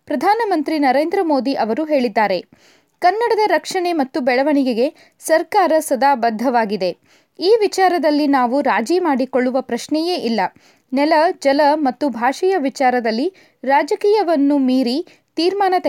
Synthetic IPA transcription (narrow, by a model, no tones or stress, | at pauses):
pɾɐd̪ʱaːnɐmɐnt̪ɾinɐɾeːnd̪ɾɐmo̞ːd̪iʔɐʋɐɾuɦe̞ːɭid̪ːaːɾe̞ | kɐnːɐɽɐd̪ɐɾɐkʂɐɳe̞mɐt̪ːubɛɭɐʋɐɳiɡeɡe̞ | sɐɾkaːɾɐsɐd̪aːbɐd̪ʱːɐʋaːɡid̪e̞ | iːʋit͡ʃaːɾɐd̪ɐlːinaːʋuɾaːd͡ʒimaːɽikoɭːuʋɐpɾɐʃnɛje̞ːʔilːɐ | nɛlɐd͡ʒɐlɐmɐt̪ːubʱaːʂɐjɐʋit͡ʃaːɾɐd̪ɐlːi | ɾaːd͡ʒɐkiːjɐʋɐnːumiːɾi | t̪iːɾmaːnɐt̪ɐ